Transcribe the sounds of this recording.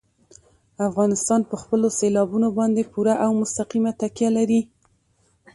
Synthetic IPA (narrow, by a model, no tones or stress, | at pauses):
afɣɑnɪst̪ɑnpəxpəloselɑbunobɑnd̪epuɾaʔawmʊst̪aqimat̪akjalaɾi